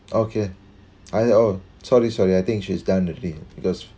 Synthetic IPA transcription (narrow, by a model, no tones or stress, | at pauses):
ʔokʰe | aɪo | sɔɹisɔɹiaɪt̪ɪ̃ŋkʃizdãʊ̃nəlib̥ikɔs